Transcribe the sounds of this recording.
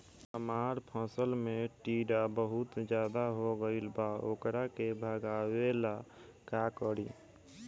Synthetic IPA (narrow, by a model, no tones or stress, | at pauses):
ɦəmaːɾpʰə̃səlmeʈiɖabəɦut̪d͡ʒjaːd̪aɦoɡəilbaoːkɾakebʱəɡawela | kakəɾi